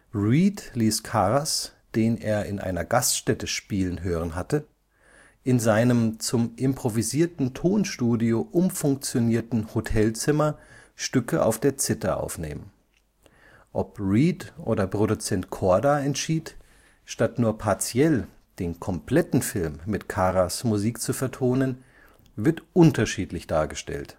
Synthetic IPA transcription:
ʁiːtliːskʰaːʁasd̥eːnḛːɐɪnʔa̰ɪnɐɡastʃtɛtəʃpiːlənɦøːʁənɦatə | ʔɪnzaɪnəmt͡sʊmʔɪmpʁ̥oviziːɐtn̩tʰoːnʃtuːdioʔʊmfʊŋk̚t͡sjoniːɐtn̩hotʰɛlt͡sɪmɐʃtʏkəʔa̰ʊfd̥eːɐt͡sɪtɐʔa̰ʊfnḛːmən | ʔɔpʁiːtʔoːdɐpʁ̥odut͡sɛntkʰɔɐdaɛntʃiːt | ʃtatnuːɐpʰaɐt͡sjɛl | d̥eːnkʰɔmpʰl̥ɛtn̩fɪlmːɪtkʰaːʁasmuziːkt͡sufɛɐtʰoːnən | vɪɐtʔʊntɐʃiːtlɪçd̥aːɐɡəʃtɛ̰lt

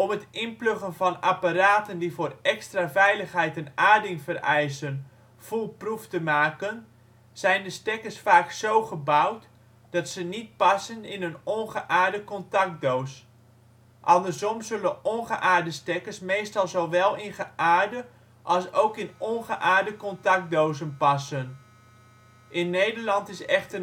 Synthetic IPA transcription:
ɔmətɪnpløɣənfɑnapaɾaːtəndivoːrɛkstravɛjləxɦɛjtənaːdɪŋfərɛjsən | fulˠpruftəmaːkən | z̥ɛjndəstɛkəsfaːksowχəbawt | d̥ɑtsənit̚pɑsənɪnənɔnχəʔaːɹdəkɔntɑk̚dows | ʔɑndərzɔmzɵlənʔɔnχəʔaːɹdəstɛkəsmeːstɑlˠzowʋɛlˠɪnχəʔaːrdə | ʔɑlˠsowkɪnɔnχəʔaːɹdəkɔntɑk̚dowzənpɑsən | ʔɪnːejdərlɑntɪsɛχtə

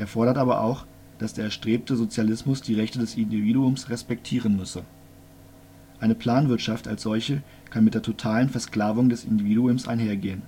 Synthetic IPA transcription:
ʔeːɐfɔɐɾɐtʔaːbɐ̰ʔa̰ʊx | d̥asd̥eːɐɛʃtʁ̥eːp̚təzot͡sjalɪsmʊsd̥iːʁɛçtədɛsʔɪndiviːduʊmsʁɛspɛktʰiːʁənmʏsə | ʔaɪnəpʰl̥aːnvɪɐtʃafta̰lsz̥ɔlçə | kʰanmɪt̚d̥eːɐtʰotʰaːlənfɛɐskl̥aːvʊŋdɛsʔɪ̰ndiviːduʊmsʔa̰ɪnɦeːɐɡeːən

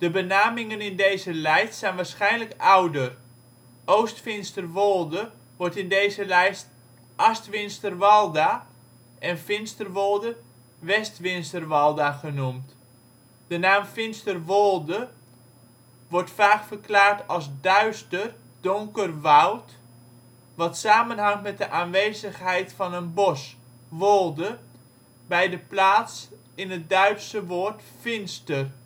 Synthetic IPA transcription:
d̥əbənaːmɪŋənɪndejzəlɛjstsɛjnʋaːɹsχɛjnləkawdər | ʔowstfɪnstərʋolˠdə | ʋɔrtɪndejzəlɛjst | ʔastʋɪnstərʋɑlˠda | ʔɛnfɪnstərʋolˠdə | ʋɛstʋɪnstərʋɑlˠdaχənumt | d̥ənaːmfɪnstərʋolˠdə | ʋɔrtfaːkfərklaːrtɑlˠsdœɥstər | d̥ʊŋkərʋɔwt | ʋɑtsaːmənɦɑŋtmɛt̚dəʔaːnʋejzəχɦɛjtfɑnənbɔs | ʋolˠdə | bɛjdəplaːts | ɪnɦət̚dœɥtsəʋoːrtfɪnstər

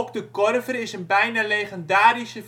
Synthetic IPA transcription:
ɔpdəkɔrvərɪsənbɛjnalejχəndaːrisə

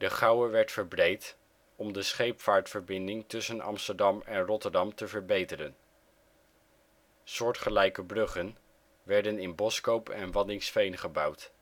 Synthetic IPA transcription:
dəχɑwəʋɛɹtfəɹbrejt | ɔmdəsχejpfaːɹtfəɹbɪndɪŋtɵsənɑ̰mstəɹdɑmɛnrɔtəɹdɑmtəvəɹbejtəɾən | sʊːɹtχəlɛjkəbrɵχən | ʋɛɹdənɪnbɔskowpɛ̰nʋɑdɪŋsfejnχəbɑwt

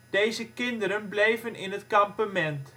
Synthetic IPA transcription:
d̥ejzəkɪndəɾənblejvənɪnɦətkampəmɛnt

